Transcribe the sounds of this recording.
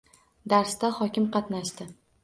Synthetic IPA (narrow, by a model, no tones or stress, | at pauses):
d̪aɾst̪ahɒkʲɪmqʰɑt̪naʃt̪ɪ